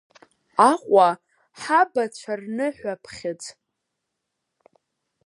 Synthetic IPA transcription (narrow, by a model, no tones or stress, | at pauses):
aχʷʼa | ħabat͡ɕʷʰarnɨħʷᶣapʰχʲɪt͡sʼ